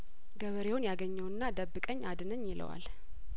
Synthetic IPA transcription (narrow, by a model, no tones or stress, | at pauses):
ɡəβəɾe̞wʊnjaɡəɲːəwɨnːad̪əbːɨkʼəɲːad̪ɨnəɲːjɪlʔə̰wa̰l